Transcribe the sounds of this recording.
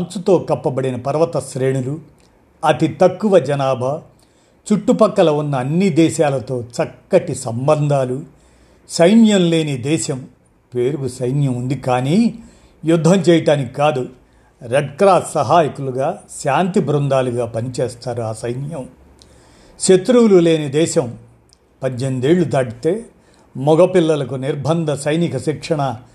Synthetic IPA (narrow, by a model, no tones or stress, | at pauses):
ɐnt͡sut̪o̞ːkɐpːɐbɐɽinɐpɐɾɐʋɐt̪ɐʃɾe̞ːɳulu | ɐt̪it̪ɐkːuʋɐd͡ʒɐnaːbʱɐ | t͡ʃuʈːupɐkːɐlɐunːɐːnːid̪ɛːʃaːlɐt̪o̞ːt͡ʃɐkːɐʈisɐmbɐnd̪ʱaːlu | sɐjnjɐmle̞ːneːd̪ɛːʃɐm | peːɾuɡusɐjnjɐmund̪ikaːniː | jud̪ʱːɐmt͡ʃɛːjɐʈaːnikikaːd̪u | ɾeɖkɾaːt̪sɐɦaːjikuluɡaːʃaːnt̪ibɾund̪aːluɡaːpɐnit͡ʃeːst̪aːɾuaːsɐjnjɐm | ʃet̪ɾuwlule̞ːned̪ɛːʃɐm | pɐɲd͡ʒend̪eːɭːut̪ɐɽit̪e̞ː | mɔɡɐpilːɐlɐkuniɾbʱɐnd̪ɐsɐjnikɐʃikʂɐɳɐ